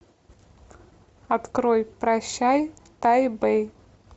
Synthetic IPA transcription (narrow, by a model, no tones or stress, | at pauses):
at̪kɾojpɾaɕːaj | t̪ajbej